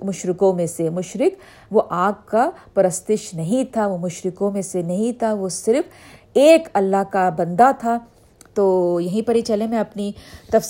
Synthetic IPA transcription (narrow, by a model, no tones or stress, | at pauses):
mʊʃɾɪkõmẽsemʊʃɾɪk | ʋoʔaːɡkapɐɾɐst̪ɪʃnɐɦĩt̪ʰaʋomʊʃɾɪkõmẽsenɐɦĩt̪ʰaʋosɪɾf | eːkɐlːaɦkabɐ̃nd̪at̪ʰa | t̪oːjɐɦĩpɐɽit͡ʃɐlemẽɐpnit̪ɐf